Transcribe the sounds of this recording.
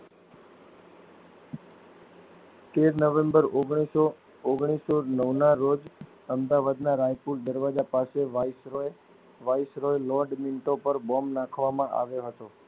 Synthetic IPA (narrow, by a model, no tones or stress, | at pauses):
t̪eɾnəʋẽmbəɾoɡɽ̃iso | oɡɽ̃isonəʋnaɾod͡ʒ | əmd̪aʋad̪naɾajpuɾd̪əɾʋad͡ʒapaseʋse | ʋajsɾojlɔɖminʈopəɾbɔmnãkʰʋamãʔa̰ʋjoɦət̪o